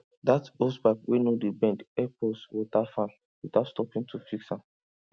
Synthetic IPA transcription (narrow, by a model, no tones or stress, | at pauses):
datospaɪpwenodibɛ̃ndɛpɔswitafãn | witaʊtstɔpĩŋtʰufiksãm